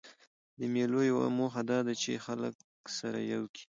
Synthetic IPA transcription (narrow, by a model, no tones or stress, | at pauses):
d̪əmelojawa̰moxad̪ɑd̪at͡ʃḛxalək | saɾa̰jawkʰi̥